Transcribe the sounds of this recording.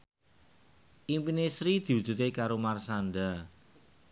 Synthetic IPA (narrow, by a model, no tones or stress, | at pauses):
ʔimpinesɾid̪̥i̤wud̥d͡ʒ̥ṳt̪ekaɾomarsanɖa